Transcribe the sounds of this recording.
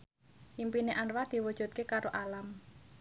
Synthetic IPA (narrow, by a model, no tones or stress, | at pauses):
ʔimpineʔanwad̪̥i̤wud̥ʒ̥ṳt̪̚kekaɾoʔalam